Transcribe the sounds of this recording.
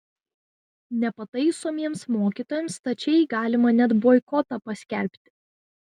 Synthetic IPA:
nʲɛpɐt̪ɐɪsoːmʲiɛmsmoːkʲiˑt̪oːjɛmst̪ɐt͡ʃʲɛɪɡɑːlʲɪmɐnʲɛd̪boːɪkɔt̪ɐpɐsʲkʲɛˑlʲpʲt̪ʲɪ̥

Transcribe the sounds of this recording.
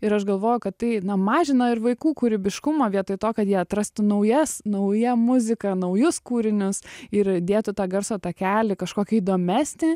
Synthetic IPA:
ɪɾɐʃɡɐlˠʋoːjʊkɐt̪t̪ɐɪnɐmɑːʒʲɪnɐɪɾʋɐɪkuːkʊɾʲɪbʲɪʃkʊmoːʋʲiɛt̪oɪt̪oːkɐt̪jiɛɐt̪ɾɐst̪ʊnɐʊjɛsnɐʊjɛmʊzʲɪkɐnɐʊjʊskuːɾʲɪnʲʊsɪɾd̪ʲeːt̪ʊt̪ɑːɡɐrsoːt̪ɑːkʲæːlʲɪkɐʃkoːkʲɪid̪oːmʲæːsʲnʲɪ

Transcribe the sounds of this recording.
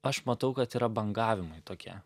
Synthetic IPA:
ɐʃmɐt̪ɐʊkɐt̪iːɾɐbɐŋɡɑːʋʲɪmɐɪt̪oːkʲiɛ

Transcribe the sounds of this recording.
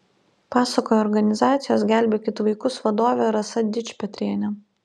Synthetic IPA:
pɑːsɐkoːjɛːɾɡɐnʲɪzɑːt̪sʲɪjoːs̬ɡʲæˑlʲbʲeːkʲɪt̪ʋɐɪkʊsʋɐd̪oːʋʲɛɾɐsɐd̪ʲɪt͡ʃʲpʲɛt̪ʲɾʲiɛnʲɛ

